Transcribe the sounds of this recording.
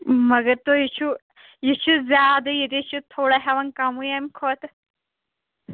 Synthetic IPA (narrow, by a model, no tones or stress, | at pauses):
mɐɡɐɾt̪ojit͡ʃʰu | jit͡ʃʰuzjaːd̪ɐjid̪it͡ʃʰut̪ʰoːɽɐɦɐʋɐnkɐmujɐmʲkʰoːt̪